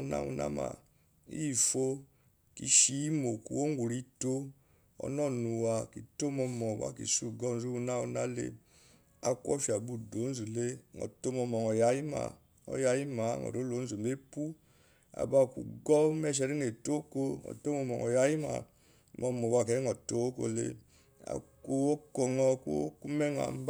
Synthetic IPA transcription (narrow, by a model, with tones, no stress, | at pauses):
na̰˦ṵ˨na̰˦ma̰˨ | i˦˨fo˦ | ki˨˦ʃi˦i˦mo˨ku˨wo˦ŋɡu˨ɾi˦to˦ | ɔ̰˨nɔ˦˨nu˨wa˨ki˨to˦mɔ˧mɔ˨ɡa̰˨kḭ˨su˦ɡɔ˦˨n˦zu˦u˦na˦u˨na˦lḛ˦ | a˨˦kwɔ̰˦ʃi˨a˨bu˦˨do˨˦n˦zu˨le˦˨ŋɔ̰˨to˦mɔ˧mɔ˨ŋɔ˨ja˨˦ji˦ma̰˨ | ɔ̰˦ja˦ji˦ma˨˦ŋɔ̰˨ɾo˨˦lo˨˦n̩˦zu˨me˦pu˦ | a̰˨ba˦˨kṵ˨ɡɔ˦mɛ˦ʃ̬ɛ˨ɾi˦ŋe˨to˦ko˦ŋɔ̰˨to˦mɔ˧mɔ˨ŋɔ˨ja˦ji˦ma̰˨˦ | mɔ˨mɔ˨ɡa˨kɛ˨˦ɔ˨to˦ko̰˧lḛ˦ | a̰˨ko˦o˦kɔ˨ŋɔ˦ko̰˦o˦ku˦mɛ˦ŋ˨a̰˨m˦b